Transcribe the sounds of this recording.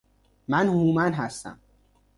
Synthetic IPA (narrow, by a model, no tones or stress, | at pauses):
mænhuːmænɦæst̪æ̰m